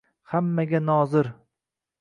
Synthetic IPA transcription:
hamːaɡʲanɒzɪɾ

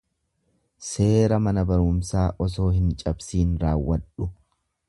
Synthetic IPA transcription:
se̞ːɾɐmɐnɐbɐɾʊmsaːʔɔs̬o̞ːɦɪnt͡ʃʼɐbsiːnɾaːwːɐᶑʊ

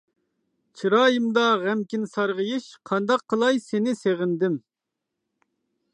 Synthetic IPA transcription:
t͡ʃʰiɾɑːjɨmd̪ɑʁɛmkʲinsɑɾʁəjiʃqʰɑnd̪ɑqʰːəlˠɑjsenɪseʁɪnd̪ɪm

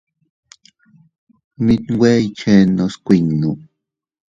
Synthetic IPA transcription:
mit̪wejt͡ʃenoskʷiŋnu

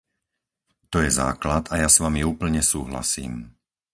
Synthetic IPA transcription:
t̪ɔjɛza̰ːklat̪ajasʋamiuːpl̩ɲɛsuːɦla̰sḭːm

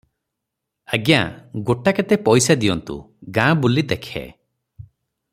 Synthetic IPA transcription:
aɡjã̰ɡoʈakat̪epɔjsad̪ijɔnt̪ṵ | ɡãbulid̪ɛkʰḛ

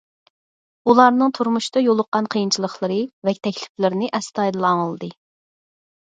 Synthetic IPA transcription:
ulˠɑɾnɨŋt̪ʰuɾmuʃd̪ɑjolˠʊqːɑnqʰəjint͡ʃʰilˠəχlˠəɾɨvɛk̚ʲt̪ʰɛkʲlɪ̥plɪɾɪnɪʔɛst̪ɑjd̪ɨlˠɑŋəlˠd̪ɨ

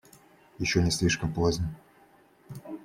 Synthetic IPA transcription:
jɪɕːonʲɪsʲlʲiʂkəmplozʲnʲə

